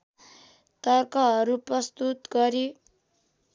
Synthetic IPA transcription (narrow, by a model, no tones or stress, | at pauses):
t̪ʌrkʌɦʌɾuprʌst̪ut̪ɡʌɾi